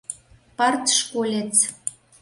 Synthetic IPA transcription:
pɑrt̪ʃkolʲet͡s

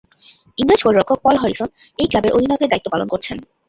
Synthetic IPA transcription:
iŋɾed͡ʑkoɾiɾɔkʰːok̚pɔlɦɔɾison | ejklabeɾobʱinɔɡed̪ait̪ːopalonkoɾt͡ɕʰen

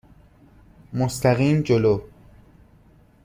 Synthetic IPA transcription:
most̪ʰæɣiːmd͡ʒoloː

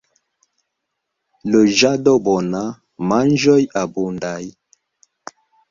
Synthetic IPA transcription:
lod͡ʒadɔbɔna | mand͡ʒɔjabundaj

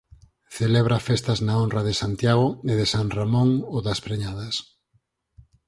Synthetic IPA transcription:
θeleβɾafest̪ɐznaonrɐðesant̪jaɣ̞oeðesaŋramõŋoðɐspɾeɲaðɐs

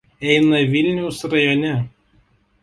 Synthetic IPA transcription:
ɛɪnɐʋʲɪlʲnʲɛʊsɾɐjɔnʲɛ

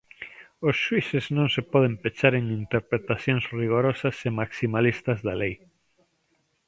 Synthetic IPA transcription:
osʃwiseznõŋsepɔðempet͡ʃaɾeŋint̪eɾpɾet̪aθjõŋsriɣ̞oɾɔsɐsemaksimalist̪ɐzðalej

